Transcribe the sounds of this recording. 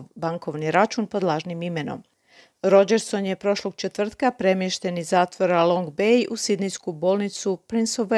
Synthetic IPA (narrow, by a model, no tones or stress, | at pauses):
baŋko̞ʋniɾat͡ʃunpo̞d̪lˠaːʒnimime̞no̞̰m | ɾo̞d͡ʒe̞ɾso̞nje̞pɾo̞ʃlˠo̞ɡ̥̚t͡ʃe̞t̪ʋr̩t̪kapɾe̞mjeʃt̪e̞nizaːt̪ʋo̞ɾalo̞ŋɡbejʔusid̪nijskubo̞lˠnit̪supɾinsoʋ